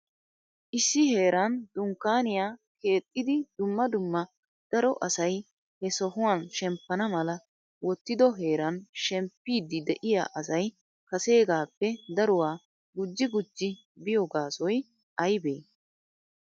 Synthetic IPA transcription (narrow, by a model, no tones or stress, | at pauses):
ʔɪsːɪhe̞ːɾɐnd̪̥ʊŋkːaːnɪjaːke̞ːt̪ʼːɪd̪ɪd̪ʊmːɐd̪ʊmːɐ | d̪̥ɐɾɔʔɐsɐj | hɛsɔhʊwanʃɛmpːɐnɐmɐlɐ | wɔt̪ːɪd̪ɔɦe̞ːɾɐnʃɛmpːiːd̪ɪd̪ɛʔɪja̰ːʔɐs̬ɐj | kɐse̞ːɡaːpːɛd̪ɐɾʊwaː | ɡʊd͡ʒːɪɡʊd͡ʒːɪ | bɪjɔɡaːsɔj | ʔɐjbḛː